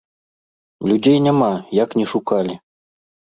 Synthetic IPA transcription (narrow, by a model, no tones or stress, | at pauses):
lʲudʲejnʲɘmɑjɑknʲiʃukɑlʲi